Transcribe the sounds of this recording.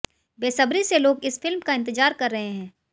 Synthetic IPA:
beːsɐbɾiseloːɡɪsfɪlmkaɪ̃nt̪ɪd͡ʒaːɾkɐɾːɐɦeɦɛ̃ː

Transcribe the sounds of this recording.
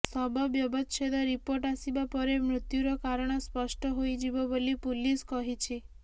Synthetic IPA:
sɔbɔbjɔbɔt̪ʃʰed̪ɔɾipoɾʈasibapɔɾemɾʊt̪juɾɔkaɾɔɽ̃ɔspɔʃʈɔɦojd͡ʒibɔbolipuliskɔɦit͡ʃʰi

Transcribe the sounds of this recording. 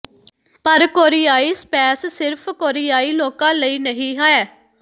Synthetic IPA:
pəɾkoːɾɪjaːiːspɛːssɪɾpʰkoːɾijaːiːloːkãːləiːnəɦĩːɦaːɛː

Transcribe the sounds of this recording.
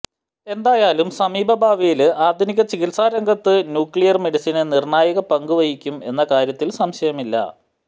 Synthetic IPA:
e̞nd̪aːjaːlumsɐmiːbɐbʱaːʋijilaːd̪ʱiniɣʲɐt͡ɕiɣilsaːɾɐŋɡʱɐt̪ːɨnjuːkɭijɐrme̞ɽisinɨnirɳaːjɐɣɐpɐŋɡuʋɐjikʲːume̞̰nːɐkaːɾjɐt̪ːilsɐmɕɐjɐmilːɐ̰

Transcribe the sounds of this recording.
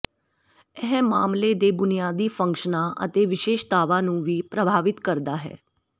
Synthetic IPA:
ɛɦɛ̃maːmleːd̪eːbʊnijaːd̪iːfʰə̃ŋkʃənãːʔə̰t̪eːʋɪʃeːʃd̪aːʋãːnũːʋiːpɾəbʱaːʋɪt̪kəɾd̪aːɦɛ̰ː

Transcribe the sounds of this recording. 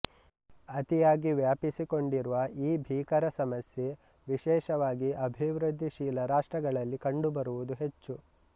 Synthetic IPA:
ɐt̪ijaːɡiʋjaːpisiko̞ɳɖiɾuʋɐʔiːbʱiːkɐɾɐsɐmɐsje̞ | ʋiʃɛːʃɐʋaːɡiʔɐbʱiʋɾɨd̪ʱːiʃiːlɐɾaːʂʈɾɐɡɐɭɐlːikɐɳɖubɐɾuʋud̪uɦet͡ʃːu

